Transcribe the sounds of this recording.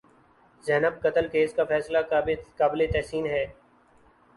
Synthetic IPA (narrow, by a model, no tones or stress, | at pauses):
zɛːnəb̚kət̪əlkeːskafɛːslakaːbɪlet̪ɛːsiːnɦɛː